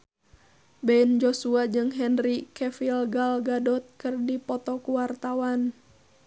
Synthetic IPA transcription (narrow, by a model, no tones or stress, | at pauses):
bɛind͡ʒosuad͡ʒɨŋɦɛnrikɛfilɡalɡadɔt̪̚kɨrdipɔt̪ɔkuwart̪awan